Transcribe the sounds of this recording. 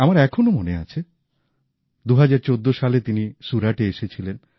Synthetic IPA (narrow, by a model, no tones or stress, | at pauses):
amaɾɛkʰonomonea̰t͡ɕʰe | d̪uɦad͡ʑaɾt͡ɕod̪ːoʃalet̪iniʃuɾaʈeeʃet͡ɕʰilen